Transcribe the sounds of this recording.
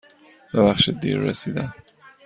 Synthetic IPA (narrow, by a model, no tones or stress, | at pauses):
b̥ebæχʃed̪ḭɾːḛsiːd̪æm